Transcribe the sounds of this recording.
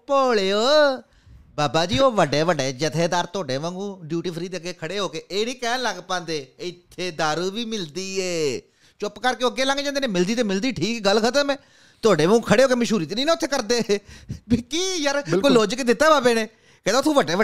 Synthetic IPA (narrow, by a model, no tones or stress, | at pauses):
poːɭeːoː | baːbaːd͡ʒiːoːʋəɖeːʋəɖeːd͡ʒət̪ʰeːd̪aːɾt̪oːɖeːʋə̃ːŋɡũːɖjuːʈiːpʰɾiːd̪eːəɡeːkʰəɽeːɦoːkeːeːnĩːkɛ̃ːləɡpãːnd̪eːɪt̪ʰːeːd̪aːɾuʋiːmɪld̪iːeː | t͡ʃʊpkəɾkeʊəɡeːlãːŋɡeːd͡ʒãːd̪eːneːmɪld̪iːt̪eːmɪld̪iːʈʰiːkɡəlkʰət̪əɾmɛ̃ː | t̪ʊoːɖeːʋə̃ːɡũːkʰəɽeːɦoːkeːməʃuːɾiːt̪enĩːnːʊt̪ʰːeːkəɾd̪eːbiːkiːjəɾlkoːloːd͡ʒkeːd̪ɪt̪ːaːbaːbeːneː | kɛ̃ːd̪ːt̪ʰːũːʋəɖeːʋə